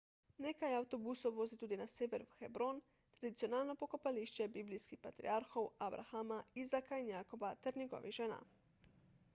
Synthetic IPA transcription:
neːkajawt̪ɔbusowʋoːzit̪uːd̪inaseːʋɛɾʋxɛbɾon | t̪ɾad̪it̪sijonaːlnɔpɔkɔpaliʃt͡ʃɛbiblijskixpat̪ɾḭaɾxowabɾʔa̰xamaizakainjaːkɔbat̪ɛɾnʲɛɡɔ̰ʋiʒɛna̰

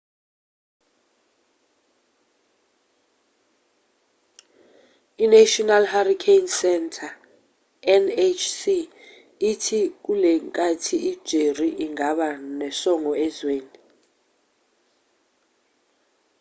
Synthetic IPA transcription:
inatʼɔnalharikʰejnsɛntʰa | ɛnet͡ʃʰsi | itʰik̬ulɛŋkʼatʰiid̥ʒ̥ʱeriʔiŋaɓanɛsɔŋɔɛzweːni

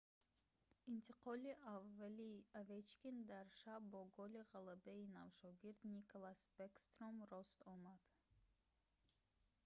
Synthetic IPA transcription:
int̪ʰiqʰɔliʔavːaliavet͡ʃkʲind̪aɾʃabɔɡɔliʁalabeinavʃɔɡiɾd̪nikʰolˠasbekst̪ɾomrɔst̪ɔmad̪̥

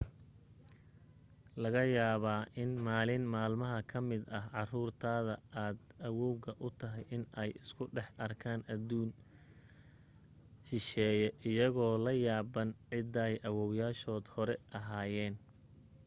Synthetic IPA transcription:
lɐɣɐjaːβaːʔɪnmaːlɪnmaːlmɐɦɐkʰɐmɪd̪ɐɦʕɑruːrt̪ʰaːðɐʔaːd̪ɐwɔwɣɐʔʊt̪ʰɐɦɛjʔɪnɛjɪskʰʊɖɛħɐrkʰaːnʔɐd̪uːn | ʃɪʃɛːjɛʔɪjɐɣɔːlɐjaːbɐnʕɪd̪ɐjʔɐwɔwjaːʃɔːd̪hɔɾɛʔɐɦaːjɛːn

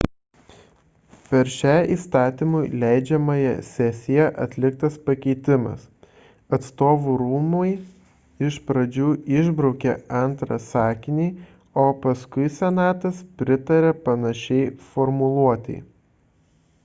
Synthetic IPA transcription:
pʲɛɾʃʲæɪiːst̪ɑːt̪ʲɪmʊɪlʲæɪd͡ʒʲɛmɐjɛ̰sʲɛsʲɪjɛʔɐ̰t̪ʲlʲɪk̚t̪ɐspɐkʲɛɪt̪ʲɪmɐ̰s | ɐt̪st̪oːʋuɾuːmoɪ | ɪʃpɾɐd͡ʒʲuːɪʒbɾɔʊkʲɛɐnt̪ɾɐsɑːkʲɪnʲiː | oːpɐskʊɪsʲɛnɑːt̪ɐspʲɾʲɪt̪ɐɾʲɛpɐnɐʃʲɛɪfɔɾmʊlˠuɔt̪ʲɛ̰ɪ

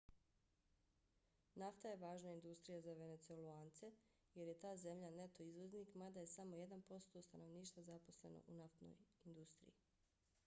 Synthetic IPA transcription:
naft̪aje̞ʋaːʒnaind̪ust̪ɾijazaʋe̞ne̞t̪sueluaːnt̪se̞ | je̞ɾje̞t̪aːze̞mʎane̞t̪o̞izʋozniːkmad̪aje̞samo̞je̞d̪anpo̞st̪o̞st̪ano̞ʋniːʃt̪ʋazapo̞sle̞̰no̰ʔunaft̪no̰jind̪ust̪ɾḭji

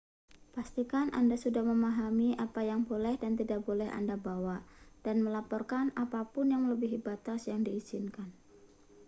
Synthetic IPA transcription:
past̪ikanʔa̰ndasudahməmaɦamiʔapajaŋbolɛhdant̪idaʔbolɛha̰ndabawad̥anməlapɔrkanapapʊnjaŋləbɪɦibat̪asjaŋdiːz̥inkan

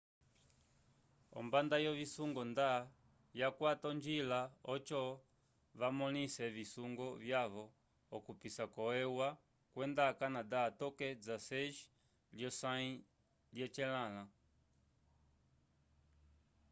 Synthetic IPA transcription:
ɔ̰mbandajɔβisuŋɡɔnda | jakwatɔnd͡ʒilaɔt͡ʃɔ | βamɔnisɛvisuŋɡɔvjaβɔː | kupisakɔɛwa | kwɛndakanadaːtɔkɛd͡zasɛʃ | ljɔsai | ljɛt͡ʃɛlala

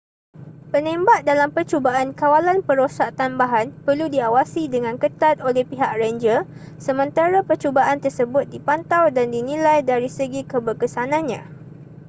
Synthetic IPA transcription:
pənẽmbaʔ̚dalampərt͡ʃobaʔankawalanpəɾosaʔt̪ambaɦanpərludiawasidəŋãnkət̪at̪̚olɛhpiɦaʔ̚rəɲd͡ʒə | səmə̃nt̪aɾapərt͡ʃobaʔant̪ərsəbʊt̪̚dipant̪awdandinĩlajdaɾisəɡikəbərkəsanãnɲã̰

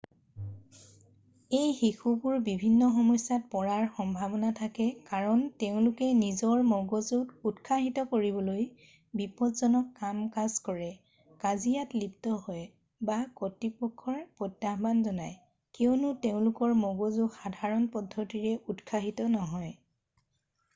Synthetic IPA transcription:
ejxixubuɹbibʱinːɔxɔmɔjsat̚pɔɹaɹxɔmbʱabɔnatʰakɛkaɹɔnteʊ̃lʊkɛnizɔɹmɔɡozuɡutkʰaɦitɔkoɹibɔloj | bipɔtzɔnɔkːamkazkɔɹɛ | kazijatliptɔɦɔj | bakotːipɔkʰːɔɹpɹɔtːaɦbanzɔnaj | keʊnʊteʊ̃lʊkɔɹmɔɡozuɡxadʱaɹɔnpɔdʱːɔtiɹɛutkʰaɦitɔnɔɦɔj

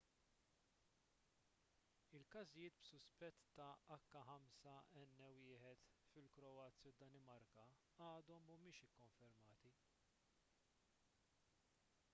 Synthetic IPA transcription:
ɪlkɐzɪjɪːt̪bsʊspɛt̪ːɐʔɐkːɐħɐmsɐɛnːɛwɪːħɛt̪fɪlkɾɔɐːt͡sːjɐd̪ːɐnɪmɐɾkɐ | ɐːd̪ɔmːɐmɪːʃɪkːɔɱfɛɾmɐːt̪i

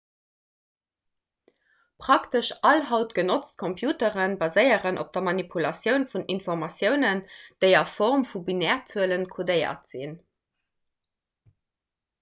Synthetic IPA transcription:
pʁ̥ɑktəʃʔɑlɦɑʊtɡ̥ənot͡st̚kʰompʰjuːtəʁənbɑzəɪəʁənʔo̰p̚d̥ɐmɑnipʰulɑsjəʊnfuninfɔʁmɑsjəʊnənd̥əɪɐfɔʁmfubinɛʁt͡suələnkʰodəɪə̰tz̥ḭn

